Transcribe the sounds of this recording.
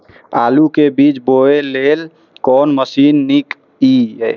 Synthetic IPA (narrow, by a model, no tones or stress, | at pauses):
alukebit͡ʃboelel | kɔnməsinːik | i